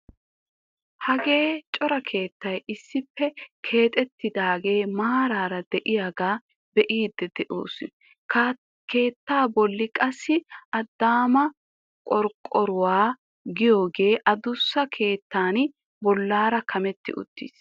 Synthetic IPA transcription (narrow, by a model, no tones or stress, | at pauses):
hɐɡe̞ːt͡ʃʼɔɾɐkʰe̞ːt̪ːɐjɪsːɪpːɛkʰe̞ːt̪ʼɛt̪ːɪd̪aːɡe̞ːmaːɾaːɾɐd̪ɛʔɪjaɡaː | bɛʔiːd̪ːɛd̪ɛʔoːsɪ | ke̞ːt̪ːaːbɔlːɪkʼɐsːɪʔɐd̪ːaːmɐ | kʼɔɾkʼɔɾʊwaː | ɡɪjo̞ːɡe̞ːʔɐd̪ʊsːɐkʰe̞ːt̪ːaːn | bɔlːaːɾɐkʰɐmɛt̪ːɪ̰ʔʊ̰t̪ːḭːs